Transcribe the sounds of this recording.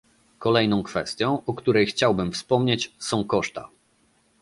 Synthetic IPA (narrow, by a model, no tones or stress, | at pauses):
kɔlɛjnɔ̃w̃kfɛst̪ʲjɔ̃w̃ɔkt̪uɾɛjxt͡ɕawbɘmfspɔmɲet͡ɕsɔ̃w̃kɔʂt̪a̰